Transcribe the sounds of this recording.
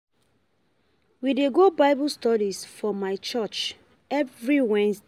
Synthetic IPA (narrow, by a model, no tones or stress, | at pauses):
wideɡobaɪbustɔɾisfɔmaɪt͡ʃɔt͡ʃ | ɛvɹiwɛ̃ns